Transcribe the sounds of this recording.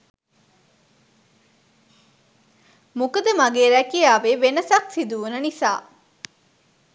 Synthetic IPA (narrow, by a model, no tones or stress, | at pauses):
mukɐd̪əmɐɡeːɾækijaːʋeːʋenɐsɐksid̪uʋunɐnisa̰ː